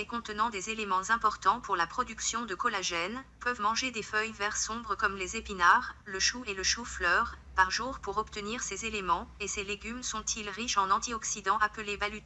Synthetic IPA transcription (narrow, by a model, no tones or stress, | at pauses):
lekɔ̃t̪ənɑ̃d̪ezelemɑ̃zɛ̃pɔʁt̪ɑ̃puʁlapχɔd̪yksjɔ̃d̪əkɔlaʒɛnpəvmɑ̃ʒed̪efœjvɛʁsɔ̃bʁəkɔmlezepinaʁləʃueləʃuflœʁ | paʁʒuʁpuʁɔpt̪əniʁsezelemɑ̃eseleɡʲymsɔ̃t̪ʰilʁiʃɑ̃nɑ̃t̪iɔksid̪ɑ̃apəlevalyt̪